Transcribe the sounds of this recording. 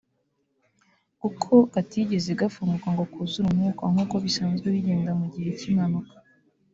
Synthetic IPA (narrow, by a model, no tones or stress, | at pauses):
kukʰo̞katiɟe̞zeɡafuŋɡukaŋɡo̞kuːzuɾumŋuːkaŋ̥uːko̞βisaːnzɡweβiɟeːndamuɟihe̞cimanukḁ